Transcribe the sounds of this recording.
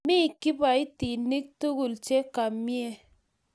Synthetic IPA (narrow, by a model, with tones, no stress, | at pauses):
mi˦˨ki˦pa˨i˦ti˨ni˦k̚tu˦ɡu˨lt͡ʃe˦ka˨mmi˦e˦